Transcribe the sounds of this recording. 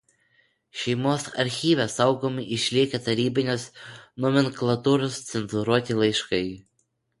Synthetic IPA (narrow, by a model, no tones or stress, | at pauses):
ʃʲɛɪmoːsɐɾʲxʲiːʋʲɛsɐʊɡomʲɪʔɪʃʲlʲiɛkʲɛt̪ɐɾʲiːbʲɪnʲoːsnɔmʲɛnklˠɐt̪uːɾoːst̪sʲɛnzʊɾuɔt̪ʲilˠɐɪʃkɐɪ